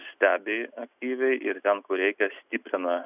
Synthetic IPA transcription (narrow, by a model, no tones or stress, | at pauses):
sʲt̪ʲæːbʲɪɐkt̪ʲiːʋʲɛɪʔɪɾt̪ʲɛnkʊɾʲɛɪkʲɛsʲt̪ʲiːpʲɾʲɪnɐ